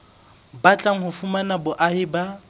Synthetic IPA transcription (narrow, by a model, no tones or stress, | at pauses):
bat͡ɬʼaŋ̩hʊfʊmanabʊʔahɪba